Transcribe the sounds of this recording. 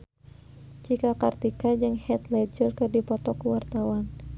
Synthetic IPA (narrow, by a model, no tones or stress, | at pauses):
t͡ʃikakart̪ikad͡ʒɨŋhɛt̪lɛd͡ʒərkɨrdipɔt̪ɔkuwart̪awan